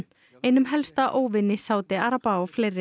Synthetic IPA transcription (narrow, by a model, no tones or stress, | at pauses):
ejnʏmɦɛlst̪aʔoːwvɪnːɪsaːwt̪ɪaɾapaɔfleːjɾɪ